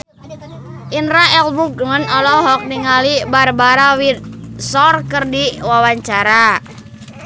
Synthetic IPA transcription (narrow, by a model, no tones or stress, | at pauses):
ʔinɾaɛlbuɡ̚ŋənɔlɔɦɔk̚niŋalibarbaɾawit̪̚sɔrkərdiwawaɲt͡ʃaɾa